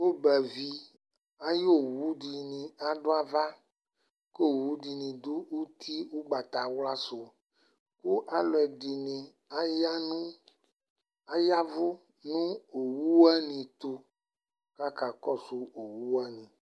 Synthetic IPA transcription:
wo˦bɛ˨vi˦ | a˦jo˦wu˦ɖi˨nĩ˨a˨ɖo˦a˨va˦ | ke˦˨wu˦ɖi˨nĩ˨d̪o˦wu˦t̪ʰi˦wo˦ɡ͡ba˨t̪a˨wla˦so˨ | ku˦ʔa˨lɔ˨ɛ˨ɖi˨nĩ˨ | a˦ja˦nũ˦ | a˦ja˦vo˦ | nũ˦o˨wu˦wɛ˦nĩ˨t̪o˦ | ka˦ka˨kɔ˦su˦o˨wu˦wɛ˦nĩ˨

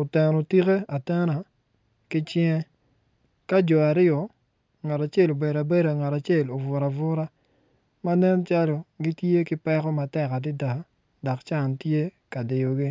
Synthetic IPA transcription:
ʊ˨tɛ˨ɾo˨ti˦ke˦a˨tɛ˦na˨ | kɪ˦t͡ʃɛ˦ | ka˦d͡ʒɔ˨a˨ɾɪ˦ɔ˨ | ŋa˨ta˨t͡ʃe˦˨lo˨bɛ˨da˨be˦da˨ŋa˨ta˨t͡ʃe˦˨lo˨vʊ˨ɾa˨vʊ˦ɾa˦ | ma˦nɛ˦nt͡ʃa˦lo˨ɡi˦tje˦kɪ˦pɛ˦kɔ˦ma˨tɛ˨ka˨dɪ˦da˨ | dɔ˨kt͡ʃa˦˨ntje˦ | ka˨dɪ˨jo˨ɡi˦

